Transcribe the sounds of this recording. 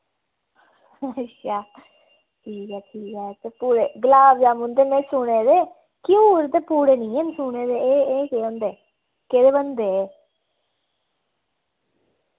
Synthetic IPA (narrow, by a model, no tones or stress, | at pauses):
ətːʃʰaː | ʈʰiːkɛːʈʰiːkɛːt̪eːpuːɾeːɡəlaːbd͡ʒaːmʊ̃nd̪eːmɛ̃ːsʊɽeːd̪eː | kiuɾt̪eːpuːɽeːnĩːensʊɳeːd̪eːeːeːkeːõːnd̪eː | keːd̪eːbənd̪eː